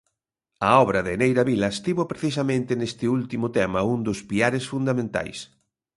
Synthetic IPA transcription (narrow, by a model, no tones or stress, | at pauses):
ɐɔβɾɐðɪnejɾɐβilɐst̪iβopɾeθisɐmẽnt̪ɪnest̪ɪult̪imʊt̪ɛmɐund̪ʊspiaɾesfund̪amẽnt̪a̰js